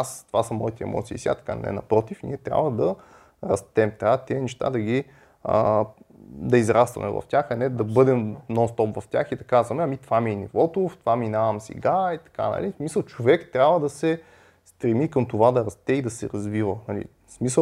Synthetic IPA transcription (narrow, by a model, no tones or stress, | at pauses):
ast̪ovasəmɔit̪ɛɛ̰mɔ̰t̪siːsja̰t̪ɐ̥ka̰nɛ̰nɐ̰pɾɔt̪ifnḭɛt̪ɾʲja̰bvəd̪ɐ | ɾɐst̪ɛmt̪ɾavət̪iɛnɛʃt̪a̰d̪ɐɡʲi | ə̰ | d̪ɐizɾast̪vɐ̰mɛ̰vɐ̰ft̪ʲaxɐnɛd̪ɐbɤd̪ɛmnɔnst̪ɔpvɐftʲaxid̪ɐkazvɐmɛɐmit̪ovaminḭvɔt̪ʊft̪vaminavəmsɛ̰ɡait̪ɐ̥ka̰nɐ̰lismisəlˠt͡ʃovɛkt̪ɾʲabvəd̪ɐsɛ | st̪ɾɛmikəmt̪ovad̪ɐɾɐst̪ɛid̪ɐsɛɾɐzvivənɐlḭ | smisə